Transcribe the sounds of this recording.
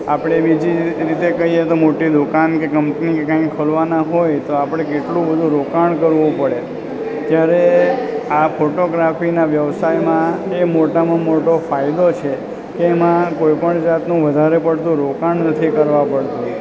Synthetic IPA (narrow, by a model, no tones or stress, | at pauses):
apɽ̃ebid͡ʒiɾit̪ekəɦiet̪omoʈid̪ukankekəmpnikekãĩkkʰəlʋanaɦojt̪oapɽ̃ekeʈlũbəd̪ʱũɾokaɳkəɾʋũpəɽe | t̪jaɾe | afʰoʈoɡɾafinaʋjəʋsajmãemoʈamãmoʈofaid̪ot͡ʃʰe | keːmãkojpəɳd͡ʒat̪nũʋəd̪ʱaɾepəɽt̪ũɾokaɳnət̪ʰikəɾʋãpəɽt̪ũ